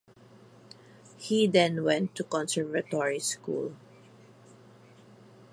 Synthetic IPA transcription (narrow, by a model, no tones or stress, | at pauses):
hid̪ɛ̃nwɛ̃nt̪ːukɔ̃nsɛɹvat̪ɔɹiskṵl